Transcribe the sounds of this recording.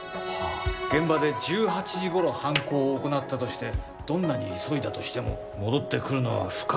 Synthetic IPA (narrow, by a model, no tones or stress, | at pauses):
ɡ̥ẽ̞mbad̪e̞d͡ʑɨːhat͡ɕiʑiɡo̞ɾo̞hãŋko̞ːko̞nat̪ːat̪o̞ɕi̥t̪e̞ | d̪̥õ̞nːaɲ̟iːso̞id̪at̪o̞ɕi̥t̪e̞mo̞̰ | mo̞d̪o̞t̪ːe̞kɯ̟ɾɯ̟no̞βa̰ɸɯ̟̥ka